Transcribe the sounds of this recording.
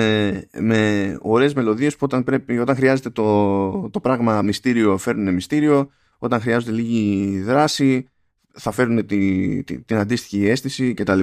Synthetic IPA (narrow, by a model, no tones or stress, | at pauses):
eme̞o̞ɾe̞ːzme̞lo̞ðie̞spuo̞t̪ɐnpɾe̞pio̞t̪ɐŋxɾiɐze̞t̪et̪ot̪o̞pɾɐɣmɐmist̪iɾio̞fe̞ɾnune̞mist̪iɾio̞ | o̞t̪ɐŋxɾiɐzo̞t̪e̞liʝiðɾɐsi | θɐfe̞ɾune̞t̪it̪ḭt̪inɐnd̪ist̪i̥çie̞st̪isice̞t̪ɐli